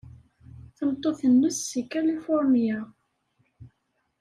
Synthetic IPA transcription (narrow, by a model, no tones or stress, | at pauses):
θəmt̪ˤːoθənːusːikːælifʊɾˤmija